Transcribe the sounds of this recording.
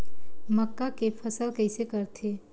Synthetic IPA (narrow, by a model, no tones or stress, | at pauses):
məkːakepʰəsəlkəɪsekəɾt̪ʰe